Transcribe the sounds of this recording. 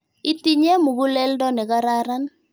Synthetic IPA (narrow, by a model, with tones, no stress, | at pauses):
i˦ti˦ɲe˦mu˨ɡu˦lɛ˦ldɔ˦nɛ˨ka˦ɾa˦ɾa˦n